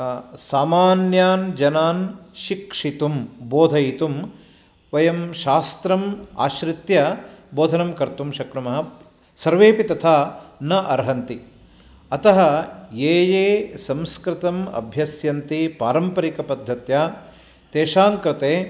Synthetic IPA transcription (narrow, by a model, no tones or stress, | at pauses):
saːmaːnjaːnd͡ʒɐnaːnʃikʂit̪umboːd̪ʱɐjit̪um | ʋɐjɐmʃaːst̪ɾɐma̰ːʃɾɪt̪jɐboːd̪ʱɐnɐmkɐɾt̪umʃɐkɾɐmɐɦɐ | sɐɾʋeːpit̪ɐt̪ʰaːnɐʔɐɾɦɐnt̪i | ɐt̪ɐɦɐjeːjeːsɐ̃mskɾɪt̪ɐmɐ̰bʱjɐsjɐnt̪ipaːɾɐmpɐɾikɐpɐd̪ʱːɐt̪jaː | t̪eːʃaːŋkɾɪt̪eː